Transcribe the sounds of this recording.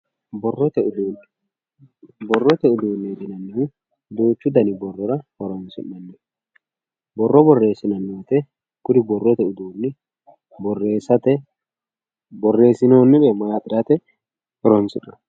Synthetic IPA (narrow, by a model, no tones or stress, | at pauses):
bɔrːɔt̪ɛʊd̪uːn | bɔrːɔt̪ɛʊd̪uːnːed̪ɪnɐnːɪhu | d̪oːt͡ʃːʊd̪ɐnɪbɔrːɔɾɐhɔɾɔnsɪ̰ʔːɐnːɛ | bɔrːɔbɔrːe̞ːsːɪnɐnːut̪ɛ | kʊd̪ɪbɔrːɔt̪ɛʊd̪uːnːɪ | bɔrːeːsɐt̪ɛ | bɔrːe̞ːsɪnoːnːɪᶑɛmɐjaːpʼɪɾɐt̪ɛ | hɔɾɔnsɪ̰ᶑɐ